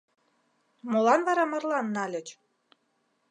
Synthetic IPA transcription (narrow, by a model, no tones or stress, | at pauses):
molɑnβɑɾɑmɤ̆rlɑnːɑlʲə̆t͡ɕ